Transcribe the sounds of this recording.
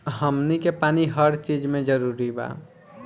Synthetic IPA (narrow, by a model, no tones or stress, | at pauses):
ɦəmnikepaːniɦəɾt͡ʃid͡ʒmẽd͡ʒəɾuɾiba̰